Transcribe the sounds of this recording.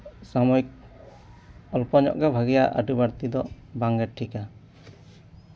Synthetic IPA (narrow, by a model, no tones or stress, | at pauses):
samɔjk̚ | ɔlpɔɲɔ̰ʔɡabʱaɡijaʔa̰ɖubaɾt̪id̪ɔ | baŋɡɛʈʰika